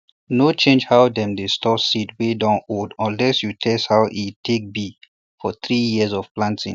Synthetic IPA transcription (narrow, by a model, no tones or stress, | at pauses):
not͡ʃẽnd͡ʒhaʊdɛ̃mdestʰɔsitwedãnodɔ̃nlɛsjutʰɛshaʊʔitʰek̚bi | fɔθɹijiəzɔv̥plãntʰḭ̃ŋ